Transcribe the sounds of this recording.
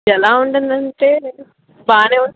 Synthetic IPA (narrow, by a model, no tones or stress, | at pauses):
ɛlaːuɳɖund̪ɐɳʈeː | baːneːuɳ